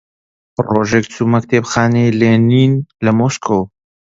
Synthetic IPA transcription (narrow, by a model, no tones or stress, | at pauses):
pɾoʒekt̪umɐk̚t̪epxaːneleːniːnləmoːskʰow